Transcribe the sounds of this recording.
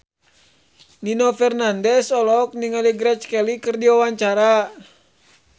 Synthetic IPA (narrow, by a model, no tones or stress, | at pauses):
ninɔfɛrnandɛsɔlɔk̚niŋaliɡɾɛt͡ʃkɛlikɨrdiwawaɲt͡ʃaɾa